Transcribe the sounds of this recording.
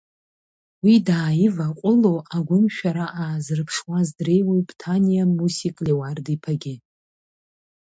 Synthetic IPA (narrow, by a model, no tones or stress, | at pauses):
widaːjɪvaqʷʼʊlowʔaɡʷʊmʃᶣaɾaʔaːzɨrpʰʂwazdre̞jwebtʰanijamusikʼlewardipʰaɡʲɪ